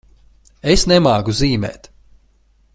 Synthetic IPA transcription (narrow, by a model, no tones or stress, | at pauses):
esnɛmaːɡuziːmɛ̰ːt̪